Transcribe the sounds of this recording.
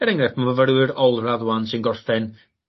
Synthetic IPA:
ɛɾɛŋɾɛθmavəvəɾwɪɾɔlˠraðwansɪnɡɔrθɛn

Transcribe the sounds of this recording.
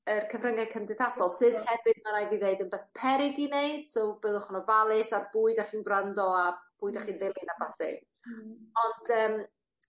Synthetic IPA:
ərkʰəvrəŋakʰəmdɨθasɔlˠsɨnhɛvɨd̚manajviːðeɨdənbɛθpʰɛɾɪɡinejd̥sowbɨðɔχʊnɔvalˠɪsabuːɨdaχiːnɡrandɔab̥uːɨdaχiːnvɪlˠinabaθɛ̰ | ɔndəːm

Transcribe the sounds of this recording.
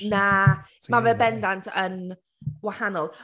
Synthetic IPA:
naː | mavɛbɛndantʰən | wahanɔlˠ

